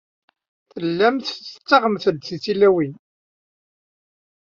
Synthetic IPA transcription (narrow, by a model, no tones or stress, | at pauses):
θəlːæmθθət͡sːɑʁəmθəlθiθilːæwin